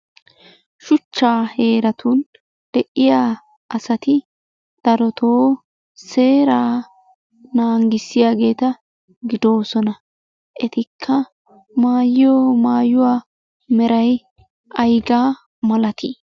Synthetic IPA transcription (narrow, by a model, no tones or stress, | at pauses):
ʃʊt͡ʃːaːhe̞ːɾɐt̪ʰun | d̪̥ɛʔɪjaː | ʔɐsɐt̪ɪ | d̪̥ɐɾɔt̪ʰoː | se̞ːɾaː | naːŋɡɪsɪjaːɡe̞ːt̪ɐ | ɡɪd̪o̞ːsɔnɐ | ʔɛt̪ɪkʰːɐ | maːjoːmaːjʊwaː | mɛɾɐj | ʔɐjɡaː | mɐlɐt̪i